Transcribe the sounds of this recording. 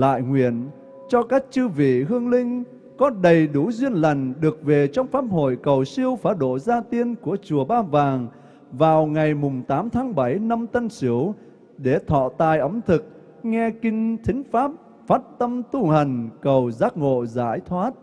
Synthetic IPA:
la̰ː˧˨jŋwḭ˧˨ən | t͡ɕɔ˧kaː˦˥k̚t͡ɕɨ˧vḭ˧˨ɦɨ˧əŋlï˧ŋ̟ | kɔ˨˦ɗə˨˩jɗu˧˩˦zwi˧ənlə˨˩jŋ̟ɗɨ˨˩ək̚ve˨˩t͡ɕɔ˧wŋ͡mfaː˦˥p̚ho̰˧˨jkə˨˩wsi˧əwfaː˨˦ɗo̰˧˨zaː˧t̪i˧ənku˧˩ət͡ɕu˨˩əɓaː˧vaː˨˩ŋ | vaː˨˩wŋa˨˩jmʊ˨˩ŋ͡mt̪aː˨˦mt̪ʰaː˨˦ŋɓa˧˩jna˧mt̪ə˧nsɨ˧˦əw | ɗe˧˩t̪ʰɔ̰˧˨t̪a̰ː˧˨jʔə˨˦mt̪ʰɨ˨˩k̚ | ŋɛ˧kï˧ŋ̟t̪ʰï˨˦ŋ̟faː˦˥p̚ | faː˦˥t̚t̪ə˧mt̪u˧hə˨˩jŋ̟kə˨˩wzaː˦˥k̚ŋo̰˧˨zaː˧˩jt̪ʰwaː˦˥t̚

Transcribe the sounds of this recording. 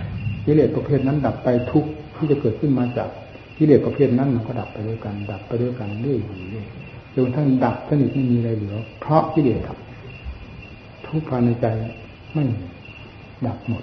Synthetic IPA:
kiː˧˨leː˨˩t̪̚pa˧pʰeː˧˩t̪̚na˧˥˨nda˨˩pːa˧jt̪ʰu˦˥k̚t̪ʰiː˥˩t͡ɕa˧˩kɤː˨˩t̪̚kʰɯ˥˨nmaː˧t͡ɕa̰ː˨˩k̚ | ki˧˥˨leː˨˩t̪̚pa˧pʰeː˥˩t̪̚na˧˥˨nma˧˨nkɔː˧˩da˨˩pːa˧jdo˧˥˨jka˨˩nda˨˩pːa˧jdo˧˥˧jka˨nlɯ˧˩ə˨jhuː˨˩lɯː˧˩˨j | lːkt̪ʰa˥˩ŋda˨˩p̚sa˧ni˨˩t̪̚ma˥˩jmiː˧ɾa˧˩jlɯ˨˩˦ɐpʰɾɔ˦˥kiː˧˨leː˨˩t̪̚da̰˨˩p̚ | t̪ʰu˧˦˥k̚pʰaː˧na˧jt͡ɕa˧j | ma˧˥˩ji˧˩ | da˨˩p̚mo˨˩t̪̚

